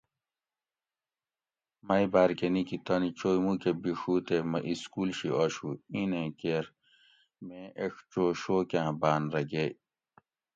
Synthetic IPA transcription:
mɐjbaːɾkenikit̪ɐnit͡ɕoːjmukebiʂuːt̪emɐʔiskuːlɕiʔoɕuinẽkeɾ | mẽʔekt͡ɕoːɕoːkãːbaːnɾɐɡe

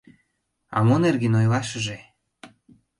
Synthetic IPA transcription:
ɑ̰monerɣenojlɑʃəʒe

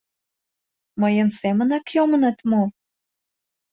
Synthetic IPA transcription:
məjənsemənɑkjomənət̪mo

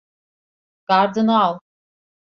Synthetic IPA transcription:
ɡ̥aɾd̪ɯnalˠ

